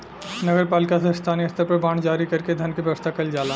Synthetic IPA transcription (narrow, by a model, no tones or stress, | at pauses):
nɐɡəɾpaːlɪkasest̪ʰaːniɐst̪ʰəɾpɐɾbaːɳ̃d͡ʒaːɾikɐɾked̪ʱɐnkibɐʋəst̪ʰakɐld͡ʒaːlaː